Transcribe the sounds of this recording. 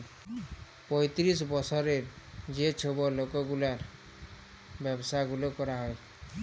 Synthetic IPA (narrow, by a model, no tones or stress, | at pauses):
pɔjt̪ɾis̬bɔsʰɔɾeɾ | d͡ʒet͡ʃʰobɔlokɔɡulaɾ | bjɛbsaɡulokɔɾaɦɔe